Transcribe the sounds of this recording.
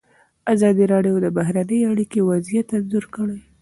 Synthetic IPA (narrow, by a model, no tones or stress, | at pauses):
azɑd̪iɾɑɖijod̪əbaɦɾanəjaɽikewazijat̪ːad̪zuɾkəɽəj